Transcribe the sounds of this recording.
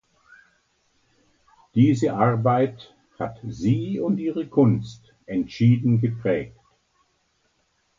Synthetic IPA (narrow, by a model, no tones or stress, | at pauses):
d̥iːzəʔaʁbaɪt | ha̰tziːʊntʔiːʁəkʰʊnst | ʔɛntʃiːdn̩ɡəpʁ̥ɛːk̚t